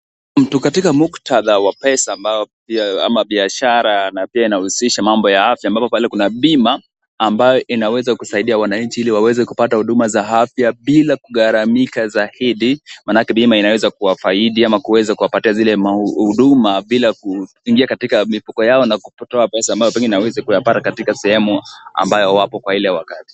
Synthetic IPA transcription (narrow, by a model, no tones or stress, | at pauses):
m̩tukatikamuktʰaðawapɛsaːmbajɔpiaa̰maɓiaʃaɾanapiainahusiʃamambɔjaafjaːmbapɔpalɛkunaɓimaː | mbajɔʔinawɛzakusaiɗiawanaɲt͡ʃiiliwawɛzɛkupatahuɗumazaɦafjaɓilakuɠaɾamikazahiɗimanakɛɓimainawɛzakuwafaiɗiamakuwɛzakuwapatiazilɛmahuɗumaɓilaku | iŋɡiakatikamifukɔjaɔnakupɔtɔapɛsaːmbajɔpɛŋɡiɛninawɛzɛkujapatakatikasɛhɛmua̰mbajɔwapɔkwailɛwakati̥